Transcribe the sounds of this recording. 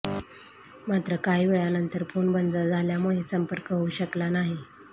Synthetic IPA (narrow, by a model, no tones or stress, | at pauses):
mat̪ɾəkaiʋeɭjanənt̪əɾpoɳbənd̪əɭd͡zʱaljamuɭisəmpəɾkəɦuːɕəklanaɦi